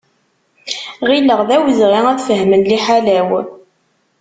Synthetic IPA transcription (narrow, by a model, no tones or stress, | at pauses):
ʁiləʁðæwzʁiæθfəɦmənliħalæw